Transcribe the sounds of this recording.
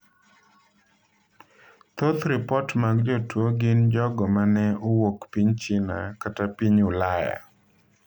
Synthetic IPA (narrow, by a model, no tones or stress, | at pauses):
t̪ot̪ɾɪpɔtmaɡd͡ʒotwoɡɪnd͡ʒɔɡɔmanɛowokpiɲt͡ʃɪna̰katapiɲʊlaja̰